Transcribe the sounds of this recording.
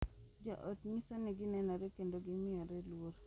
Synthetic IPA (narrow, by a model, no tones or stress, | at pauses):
d͡ʒa̰ʔotɲisɔnɪɡɪnɛnɔɾɛkendoɡɪmɪɔɾɛlwoɾ